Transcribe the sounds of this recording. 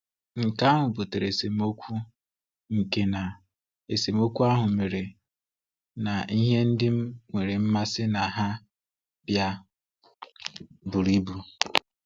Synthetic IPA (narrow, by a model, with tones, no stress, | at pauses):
ŋ̩˨ka˦ɦʊ˨bʊ˨te˨ɾe˨se˨mo˦kʷu˦ | ŋ̩˨ke˨na˨ | e˨se˨mo˦kʷu˦a˦ɦʊ˨me˨ɾe˨ | na˨i˦ɦe˦n̩˦dɪ˦m̩˦ŋʷe˨ɾe˨m̩˦ma˦sɪ˦na˨ɦa˦ | bja˦ | bu˨ɾi˦bu˨